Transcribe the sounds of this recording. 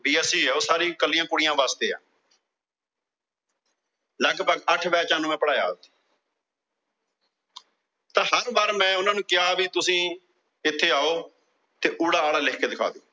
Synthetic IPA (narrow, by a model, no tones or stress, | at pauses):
biːɛːsiːɛːoːsaːɾĩːkəlːijãːkʊɽɪjãːbaːst̪eːã̰ː | ləɡpəɡəʈʰbɛːt͡ʃãːnũːmɛ̃ːpəɽaːja̰ːt̪i | t̪ãːɦəɾbaːɾmɛ̃ːʊnãːnũːkɪjaːbiːt̪ʊsĩː | ɪt̪ʰːeːaːoː | t̪eːʔʊːɽaːaːlaːleːkʰkeːd̪ɪkʰa̰ːd̪eː